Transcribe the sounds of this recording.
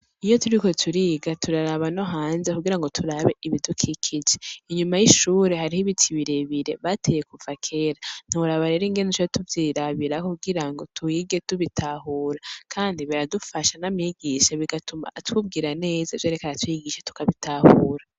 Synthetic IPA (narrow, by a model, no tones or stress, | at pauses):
ijo̞tuɾiko̞tʰuɾiɡatuɾaɾaβano̞ɦaːnze̞kuɡiɾaŋɡo̞tʰuɾaβe̞ʔiβidukʰikʰid͡ʒeiɲumajiʃuːɾe̞ɦaɾihiβitʰiβiɾeβiɾe̞βatʰeje̞kuvakʰe̞ɾan̥uuɾaβaɾe̞ɾiːŋɡe̞nit͡ʃotuvjiːɾaβiɾakuɡiɾaŋɡo̞tʰuiɡe̞tuβitʰaɦuːɾakʰaːndiβiɾadufaʃanamɲiɡiʃaβiɡatuma̰twub̚ɡiːɾane̞ːzavjeɾekaɾatwiɡiʃḁtu̥kaβitʰahuːɾa